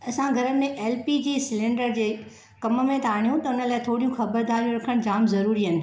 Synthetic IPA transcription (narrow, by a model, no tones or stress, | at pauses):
ɐsãɡʱɐɾəmẽʔeːlpid͡ʑiːsɪlẽːɳɖəɾd͡ʑeː | kɐmə̆mẽt̪aːɽ̃ijũt̪ɐʊnəlaːɪt̪ʰoːɽijũxɐbəɾd̪aːɾjũɾɐkʰəɽ̃d͡ʑaːmzɐɾuːɾiɦənɪ̆